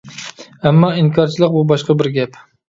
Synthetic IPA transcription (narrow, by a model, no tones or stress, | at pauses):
æmːɑiŋkʰɑɾt͡ʃʰilˠɨq̚bubɑʃqɑbɪɾɡʲɛp